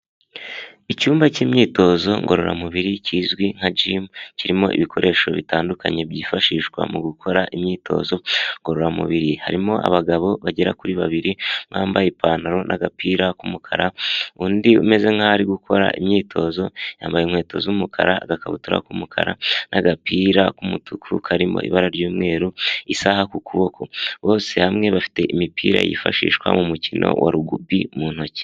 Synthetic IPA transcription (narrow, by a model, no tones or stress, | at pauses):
icuːmbaciːmɲiːto̞ːzo̞ŋɡo̞ɾo̞ɾa̰muβiɾiciːzɡwiŋ̥ad͡ʒiːmciɾimo̞̰ʔḭβikʰo̞ɾʔe̞ʃo̞βitaːndukaɲe̞bɟiːfaʃiːʃɡwa̰muɡukʰo̞ɾaʔimɲiːtʰo̞̰ːzo̞ŋɡo̞ɾo̞ɾamṵβiɾiha̰ɾimo̞ʔa̰βaɡaβo̞βaɟeɾakuɾiβaβiɾiŋ̥haːmbajepʰanaɾo̞nʔaɡapiːɾakumukʰa̰ɾauːndiume̞ze̞ŋ̥hahaɾiɡukʰo̞ɾa̰ʔimɲiːtʰo̞ːzo̞jaːmbajemŋe̞ːtʰo̞zuumukʰa̰ɾaɡakaβutuɾa̰kumukʰa̰ɾanʔaɡapiːɾakumutukʰukʰaɾimo̞̰ḭβaɾaɾɟuːmŋe̞ːɾuisahakukʰuβo̞kʰo̞βo̞ːse̞hamŋe̞βafi̥te̞ʔimipiːɾa̰jḭfaʃḭːʃkwa̰mumucinʔo̰waɾuɡubimuːn̥o̞ce̥